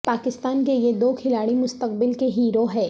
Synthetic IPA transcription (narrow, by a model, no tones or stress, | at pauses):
paːkɪst̪aːnkejed̪oːkʰɪlaːɽimʊst̪əq̚bɪlkeɦiːɾoɦɛː